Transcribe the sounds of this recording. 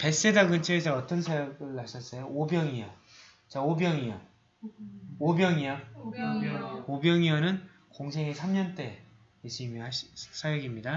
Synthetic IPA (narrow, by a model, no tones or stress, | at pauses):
pe̞s͈edaɡɯnt͡ɕʰeesʰʌʌt͈ʌnsʰajʌɡɯɭhaɕʰʌs͈ʌjoobjʌŋiʌ | t͡ɕaobjʌŋiʌ | objʌŋiʌ | objʌŋiʌnɯn | koŋsʰeŋesʰamɲʌnt͈e̞ | sʰimihaɕs͈ʰajʌɡimɲida